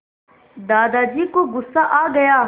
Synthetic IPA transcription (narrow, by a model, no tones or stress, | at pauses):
d̪aːd̪aːd͡ʒiːkoɡʊsːaːʔaːɡəjaː